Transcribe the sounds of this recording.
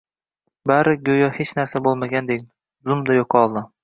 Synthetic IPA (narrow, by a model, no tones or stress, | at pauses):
baɾɪɡʲojɒhet͡ʃnaɾsabolˠmaɡʲand̪ekʲ | zʊmd̪ajoqʰɒlˠd̪ɪ